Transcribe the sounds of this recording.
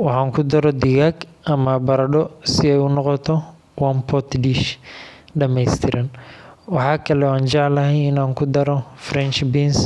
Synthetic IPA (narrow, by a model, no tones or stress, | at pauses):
wɑħɑːŋkʰʊd̪ɐɾɔd̪ɪɣaɡʔɐmɐbɐɾɐɖɔsɪɛjʊnɔqɔt̪ʰɔ | wɐmpʰɔt̪diʃ | ɖɐmɛjst̪ʰɪɾʔɐnwɑħɑːkʰɐlɛaːnt͡ʃɑʕlɐɦɛjɪnaːŋkʰʊd̪ɐɾɔfrɛnt͡ʃbins